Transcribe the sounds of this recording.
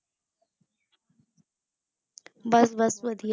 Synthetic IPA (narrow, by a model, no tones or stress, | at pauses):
bɐsbɐsʋəd̪ʱij